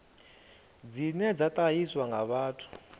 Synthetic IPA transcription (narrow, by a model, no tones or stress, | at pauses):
d͡zinɛd͡zatʼajiswaŋɡaβaːtʰu̥